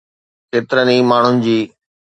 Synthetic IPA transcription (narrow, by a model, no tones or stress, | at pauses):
keːt̪ɪɾənĩːmaːɳ̤ʊnɪ̆d͡ʑiː